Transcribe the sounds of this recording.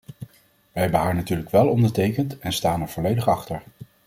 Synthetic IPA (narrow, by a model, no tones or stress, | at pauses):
ʋəɦɛbənɦaːɹnatyːɹləkʋɛlˠɔndəɹtejkəntɛnstaːnɛɹvɔlejdəχɑχtəɹ